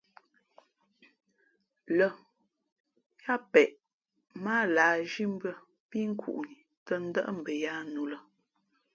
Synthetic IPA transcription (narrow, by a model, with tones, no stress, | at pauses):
lə˨ | ja˦pɛ˨ʔ | maː˦laː˨˦d͡ʒi˦m̩˦bə˦ | pi˦ŋ̩˦kʰṵ˨ʔni˨ | tə˦n̩˦də̰˦ʔm̩˨bə˨ja˦nu˨lə˨